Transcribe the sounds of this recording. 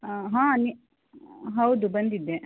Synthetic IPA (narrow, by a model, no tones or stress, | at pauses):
ɦãːni | ɦɐwd̪ubɐnd̪id̪ːe